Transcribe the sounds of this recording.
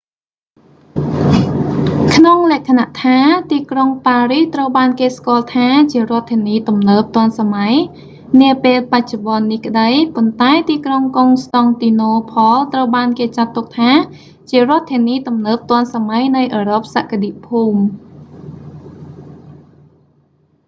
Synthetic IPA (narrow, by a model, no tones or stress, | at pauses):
kʰnoŋlɛ̆əʔkʰanaʔt̪ʰaːt̪iːkroŋpaːriht̪rəwɓaːnkeːskŏəlt̪ʰaːt͡ɕiərŏət̪ʰːiəniːt̪umnəːp̚t̪ŏənsamaj | niəpeːlpac̚t͡ɕoɓɑənːihkə̆ɗəjpont̪aɛt̪iːkroŋkoŋst̪ɑŋt̪iːnoːpʰɑlt̪rəwɓaːnkeːt͡ɕat̪ːuk̚t̪ʰaː | t͡ɕiərŏət̪ʰːiəniːt̪umnəːp̚t̪ŏənsamajnɨjʔəːɾop̚saːʔkaɗiʔpʰuːm